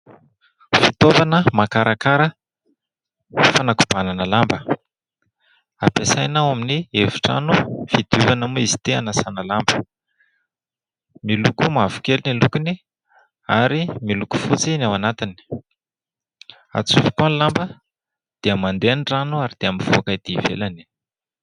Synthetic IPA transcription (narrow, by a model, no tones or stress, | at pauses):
fit̪ovanəmakaɾʔakaɾə | fanaku̥b̥ananəlambə | apasajnawaminieviʈ͡ʂa̰nufid̪̥uvanəmuizi̥t̪eanasanəlambə̥ | milukumavu̥kelinilukuni | aɾimiluku̥fut͡sinawanat̪ini̥ | a̰t͡suvi̥konlambə | d̪̥eamand̪eaniɖ͡ʐanuaɾid̪̥eamiv̥oakaid̪̥ivḛlani̥